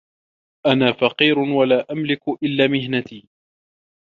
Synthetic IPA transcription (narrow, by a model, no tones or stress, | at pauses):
ʔanaːfɑqiːɾʊwalaːʔamlɪkʊʔɪlːaːmɪɦnat̪iː